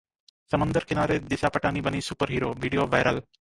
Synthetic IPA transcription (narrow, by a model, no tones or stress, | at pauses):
səmənd̪əɾkɪnaːɾed̪ɪʃapəʈaːnibənisupəɾɦiːɾoːʋiːɖijoʋajɾəl